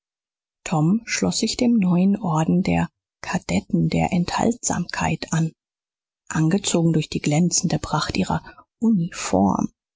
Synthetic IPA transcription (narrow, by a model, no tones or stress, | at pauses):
tʰɔmʃlɔsz̥ɪçd̥eːmnɔʏənʔɔɐdn̩dḛːɐ | kʰad̥ɛtn̩deːɐʔɛntha̰ltz̥a̰ːmkʰa̰ɪtʔan | ʔanɡət͡soːɡŋ̩dʊɐçd̥iːɡlɛnt͡sn̩dəpʁ̥aχtʔiːʁɐʔunifɔ̰ɐm